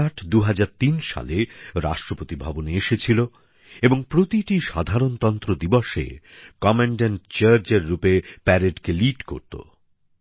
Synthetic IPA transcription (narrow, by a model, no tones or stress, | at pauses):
ʈd̪uɦad͡ʑaɾt̪inʃa̰leɾa̰ʃʈɾopot̪ibʱaboneeʃet͡ɕʰilo | eboŋpɾot̪iʈiʃad̪ʱaɾont̪ɔnt̪ɾod̪ibɔʃḛ | kɔmaɳɖeɳʈt͡ɕaɾd͡ʑeɾːupepɛɾeɖkeliʈko̰ɾt̪o̰